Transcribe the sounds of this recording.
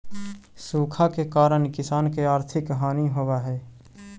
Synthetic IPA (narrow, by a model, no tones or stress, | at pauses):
suːkʰakekaːɾəɳkɪsaːnkeaːɾt̪ʰɪkːɦaːniɦowaɦɛː